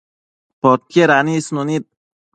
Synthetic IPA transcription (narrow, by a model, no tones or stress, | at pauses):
pɔt̪̚keɾanisnonit̪̚